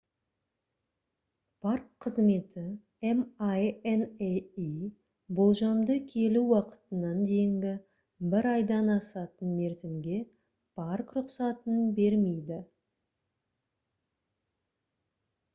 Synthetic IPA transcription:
pʰarkʰːəzme̞t̪ɪ | emajenei | bolˠʒɑmd̪əkʲʰe̞luwɑqə̥t̪ənɑnd̪e̞jɪŋɡʲɪ | bɪɾɑjd̪ɑnɑsɑt̪ənme̞ɾzɪmɡʲe̞ | pʰarkrʊqsɑt̪ənbe̞ɾme̞jd̪ɪ

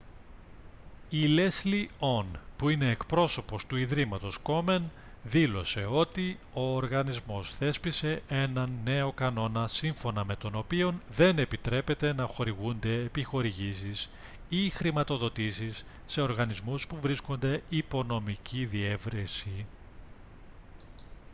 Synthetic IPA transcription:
ile̞slio̞npuine̞ːkpɾo̞so̞po̞st̪uiðɾimɐt̪o̞sko̞me̞n | ðilo̞se̞o̞t̪i | o̞ːɾɣɐnizmo̞sθe̞spise̞ʔe̞nɐnːe̞o̞kɐno̞nɐsiɱfo̞nɐme̞t̪o̞no̞pio̞nðe̞ne̞pit̪ɾe̞pe̞t̪e̞nɐxo̞ɾiɣund̪e̞ːpixo̞ɾiʝisis | ixɾimɐt̪o̞ðo̞t̪isisː | e̞o̞ɾɣɐnizmuspuvɾisko̞nd̪e̞ipo̞no̞miciðie̞vɾisi

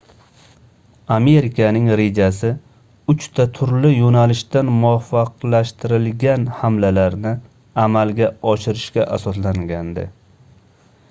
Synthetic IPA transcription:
ame̞ɾɪkʰanɪŋɾe̞d͡ʒasɪ | ʊt͡ʃt̪ʰat̪ʰʊɾlɪjonalɪʃt̪anmʊafːɑqlaʃt̪ʰɪɾɪlɡʲanhamlalaɾnɪ | amalɡʲaɒʃɪɾɪʃkʲaʔasɒslaŋɡʲand̪ɪ̰

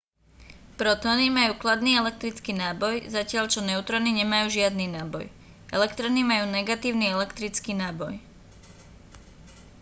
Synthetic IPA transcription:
pɾɔt̪ɔːnimajuːklad̪niːɛlɛk̚t̪ɾit͡skiːnaːbɔjzacɪaʎt͡ʃɔnɛʊt̪ɾɔniɲɛmajuːʒɪad̪ninaːbɔ̰j | ʔɛ̰lɛkt̪ɾɔnimajuːnɛɡat̪iːʊniɛlɛkt̪ɾit͡skiːnaːbɔj

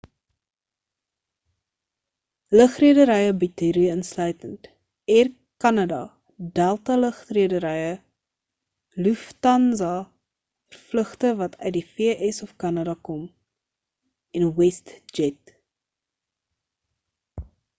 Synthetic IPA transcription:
ləχriədəɾəjəbitiɾiənslœɥtənt | ɛr | kɐnɐdɐ | dælˠtɐləχriədəɾəjə | luftɐnzɑ | fərfləχtəvɐtʰœ̰ɥt̚difiəʔɛsɔfkɐnɐdɐkɔm | ɛnwɛstd͡ʒɛt

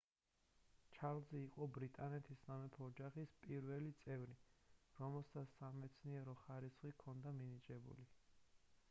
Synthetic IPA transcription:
t͡ʃʰaɾlˠzɛːqʼɔbɾit̪ʼanɛt̪ʰisnamɛp̪ʰɔːd͡ʒaχispʼiɾvɛlit̪sʼɛvɾiɾɔmɛlˠsasamɛt̪sʰniɛɾɔχaɾisχikʰɔnd̪aminit͡ʃʼɛbṵli

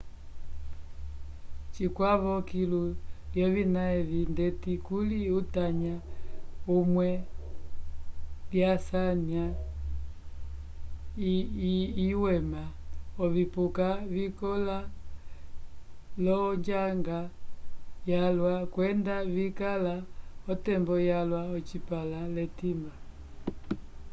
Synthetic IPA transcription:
t͡ʃikwaβɔkiluljɔvinaɛvindɛtikuliutaɲa | umwɛ | ljasania | iwɛmaɔvipukavikɔla | lɔɲd͡ʒaŋɡa | jalwakwɛndavikalaɔtɛmbɔjalwaɔt͡ʃipalalɛtimba

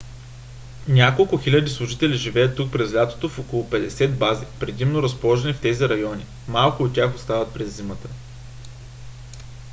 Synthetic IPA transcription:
nʲakolˠkʊxilʲɐd̪islˠʊʒit̪ɛliʒivɛjət̪ːuk̚pɾɛzlʲat̪o̥t̪ofokolˠopɛd̪ɛsɛt̪̚bazipɾɛd̪imnoɾɐspolˠɔʒɛnift̪ɛziɾɐjɔnʲi | malˠkʊːt̪ːʲaxost̪avət̪̚pɾɛzːimət̪ə

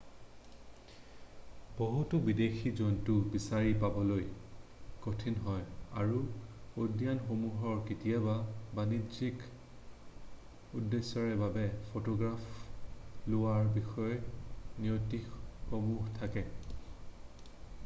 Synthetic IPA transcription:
b̥oɦutʊbidexizontʊbisaɹipabɔloj | kotʰinɦɔja̰ɹuodjanxomuɦɔɹketijababanizik | udːesːɔɹɛbabɛpʰotɔɡɹap | lʊwaɹbixɔjɔniotikxomuɦtʰakɛ

